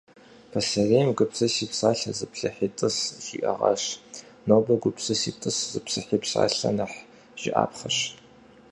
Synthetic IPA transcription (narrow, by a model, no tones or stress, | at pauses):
pʰɐsɐreːmɡʷʊpsɐsiːpsaːɬɐzɨpʰɬɐħiːtʼɨsʒḭːʔɐ̰ʁɐ̰ɕ | noːbɐɡʷʊpsɨsiːtʼɨszɨpsɨħiːpsa̰ːɬɐ̰nɐħ | ʒ̥ɪʔa̰ːpʰχɐɕ